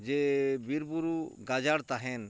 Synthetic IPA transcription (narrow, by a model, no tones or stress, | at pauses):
d͡ʒɛbiɾbuɾuɡad͡ʒaɽt̪aɦɛn